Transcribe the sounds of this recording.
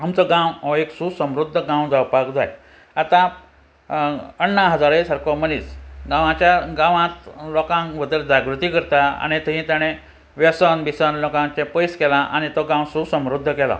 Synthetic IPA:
amt͡sɔɡãwɔeksusəmɾud̪ʱːəɡãwd͡zawpakd͡za̰j | at̪ã | ənːaɦəd͡zaɾesəɾkɔməniːsɡãʋãt͡ɕjaɡãʋãt̪lɔkãŋʋəd̪əld͡zaɡɾut̪ikəɾt̪aa̰ɽ̃it̪əɦĩt̪jaɽ̃ẽ | ʋjəsənbisənlɔkãt͡ɕepəjskɛlaʔaɽ̃it̪ɔɡãwsusə̃mɾud̪ʱːəkɛla̰

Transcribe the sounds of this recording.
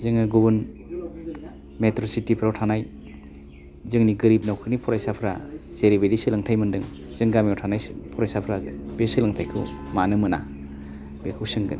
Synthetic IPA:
zɯŋɯɡubun | metɾositipʰɾawtʰanaj | zɯŋniɡɯɾib̚nawkʰɯnipʰɔɾajsapʰɾaz̥eɾibedisɯlɯŋtʰajmɯndɯŋ | z̥ɯŋɡamiɔwtʰanajpʰɔɾajsapʰɾabesɯlɯŋtʰajkʰɯwmanɯmɯna̰ | bekʰɯwsɯŋɡɯn

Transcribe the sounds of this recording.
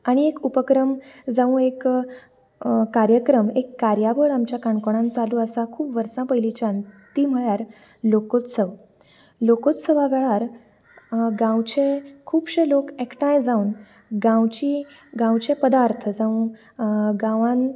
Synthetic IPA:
aɽ̃iekupəkɾəmd͡zaũek | kaɾjəkɾəmekːaɾjaʋəɭamt͡ɕjakaɳkoɽ̃ãnt͡saluəsakʰuːpʋəɾsãpəilit͡ɕant̪iːm̤əɭjaɾ | lokot̪səʋ | lokot̪səʋaʋɛɭaɾ | ɡãwt͡ɕẽkʰuːbɕelokekʰʈãjd͡zauːn | ɡãwt͡ɕiː | ɡãwt͡ɕẽpəd̪aɾt̪ʰəd͡zaũ | ɡãʋãn

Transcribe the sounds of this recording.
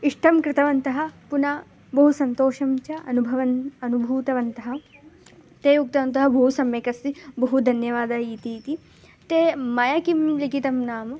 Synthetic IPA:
iʂʈɐmkɾɪt̪ɐʋɐnt̪ɐɦɐ̆puna | bɐɦusɐnt̪oːʃɐmt͡ʃɐʔɐnubʱɐʋɐnɐnubʱuːt̪ɐʋɐnt̪ɐɦɐ̆ | t̪eːjuk̚t̪ɐʋɐnt̪ɐɦɐbɐɦusɐmjekɐst̪ibɐɦud̪ʱɐnjɐʋaːd̪ɐːiːt̪it̪i | t̪eːmɐjɐkimlikit̪ɐmnaːmɐ

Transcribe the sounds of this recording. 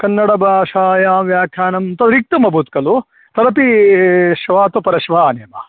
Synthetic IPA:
kɐnːɐɽɐbʱaːʃaːjaːʋjaːkʰjaːnɐmt̪ɐd̪ɾik̚t̪ɐmɐbʱut̪̚kɐlu | t̪ɐɾɐpiʃʋaːt̪upɐɾɐʃʋaːnjɐmɐ

